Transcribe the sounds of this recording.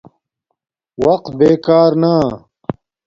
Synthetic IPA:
wɐq̚t̪beːkaːɾna

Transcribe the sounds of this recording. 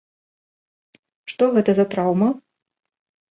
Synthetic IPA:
ʂt̪ɔɣɛt̪ɐzɐt̪ɾawmɐ

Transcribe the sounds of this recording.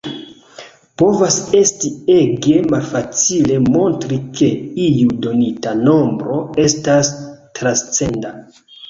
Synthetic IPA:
po̞vase̞stie̞ɡe̞malfat͡sile̞mo̞ntɾike̞ijudo̞nitano̞mbɾo̞e̞stastɾast͡se̞nda

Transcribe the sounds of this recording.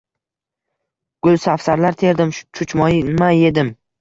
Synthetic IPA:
ɡ̥ʊlˠsafsaɾlaɾt̪ʰe̞ɾd̪ɪmʃt͡ʃʰʊt͡ʃmɒjɪnmaje̞d̪ɪm

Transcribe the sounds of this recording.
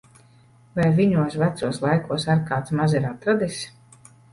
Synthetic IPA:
vajviɲuɔsvæt̪suɔslˠajkuɔsaɾkaːt̪smazɛɾat̪ɾad̪is

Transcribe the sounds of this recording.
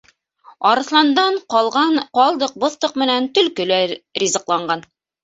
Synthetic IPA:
ɒɾɤ̆θlˠɑnd̪ɑɴqɒlˠʁɑɴqɑlˠd̪ɤq̚bɤ̆θt̪ɤqmɘ̆nænt̪ɵ̆lkɵ̆lærʲizɤ̆qlˠɑɴɢɑn

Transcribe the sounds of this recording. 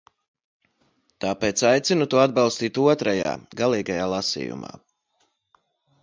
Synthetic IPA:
t̪aːpeːt̪sajt̪sinut̪uɔad̪balˠst̪iːt̪uɔt̪ɾaja̰ːɡalˠiːɡajaːlˠasḭːjṵma̰ː

